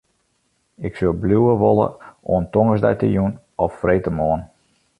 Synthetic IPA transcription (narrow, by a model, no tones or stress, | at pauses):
ɪksølˠbluːəʋɔlə̰oəntɔŋəsdɛ̰jtə̰jun | ɔfːreːtəmoːən